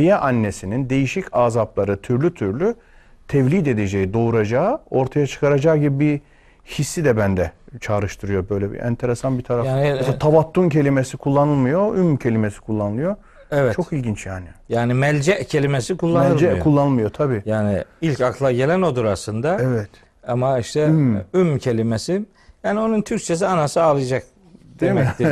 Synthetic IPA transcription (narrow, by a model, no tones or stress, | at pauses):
ijɛʔanːesinind̪e̞jiʃicʰaːzaplˠaɾɯt̪ʰyɾlʲyt̪ʰyɾlʲy | t̪ʰɛvlʲid̪e̞d̪ed͡ʒejid̪o̞uɾad͡ʒaːo̞ɾt̪ʰajat͡ʃʰɯ̥kʰaɾad͡ʒaːɟibibi | hisːid̪ɛbænd̪ɛt͡ʃʰaːɾɯʃt̪ʰɯɾɯjo̞bø̞jlʲɛbḭɛ̰nt̪ʰeɾesanbit̪ʰaɾaanst̪ʰavat̪ʰːuncʰe̞lʲimesikʰulˠːanɯlˠmɯjo̞ymcʰe̞lʲimesi̥kʰulˠːanɯlˠɯjo̞ | ɛvɛtt͡ʃʰo̞kilʲɟint͡ʃjaːnijaːnimɛlʲd͡ʒɛʔcʰe̞lʲimesikʰulˠːamɛlɯd͡ʒɛkʰulˠːanɯlˠmɯjo̞t̪ʰabiːjaːnḭilʲcaklˠaɟe̞lʲæno̞d̪uɾasɯnd̪aɛvɛt̪ | amaiʃt̪ʰɛymymːcʰe̞lʲimesi | jaːnio̞nunt̪ʰyɾc̚t͡ʃʰes̬ianasɯalˠɯjad͡ʒak̚ | d̪iemɛt̪i